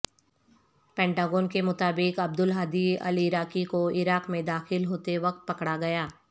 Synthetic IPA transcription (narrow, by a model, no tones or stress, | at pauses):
pɛ̃ːɳʈaːɡoːnkemʊt̪aːbɪkɐb̚d̪ʊlɦaːd̪iɐ̰liɪɾaːkikoɪɾaːqmẽd̪aːxɪlɦoːt̪eʋɐk̚t̪̚pɐkɽaɡɐjaː